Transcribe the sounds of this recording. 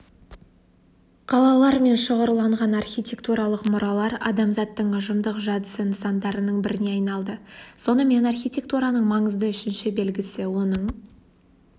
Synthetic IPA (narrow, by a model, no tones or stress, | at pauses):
qʰɑlˠɑlˠɑɾme̞nʃəʁəɾlˠɑɴʁɑnɑrχʲijt̪ʲe̞kt̪uɾɑlˠəqmʊɾɑlˠɑɾɑ̰d̪ɑmzɑt̪ːəɴʊʒəmd̪əqʒɑd̪əsənəsɑnd̪ɑɾənəɴbɪɾɪne̞ɑjnɑlˠd̪əso̞nəme̞nɑrχʲijt̪ʲe̞k̚t̪uɾɑnəɴmɑɴəzd̪əʏʃɪnʃɪbe̞lɡʲɪsɪwo̞nəɴ